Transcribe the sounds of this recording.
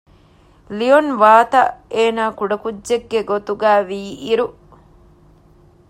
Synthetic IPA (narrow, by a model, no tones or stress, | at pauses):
lionʋaːt̪ɐʔeːnaːkuɖɐkudʒeɡːeɡot̪uɡæːʋiːiɾu